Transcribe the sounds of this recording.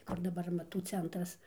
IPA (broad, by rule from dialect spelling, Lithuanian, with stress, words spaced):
ˈkʊr dɐˈbɐr ɐmɐˈtuː ˈt͡sʲɛntrɐs